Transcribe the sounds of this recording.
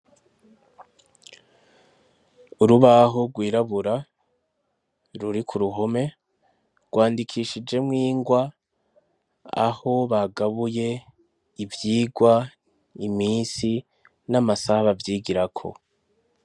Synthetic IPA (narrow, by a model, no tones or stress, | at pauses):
uɾuβaɦoɡwiːɾaβuɾa | ɾuɾikʰuɾuɦome̞ | ɡ̥waːndikʰiːʃid͡ʒe̞mŋiːŋɡwa | a̰ho̞βaɡaβuje̞ | ivjiːɡwa | iminsi | namasaβavjiːɡiɾakʰo̞̰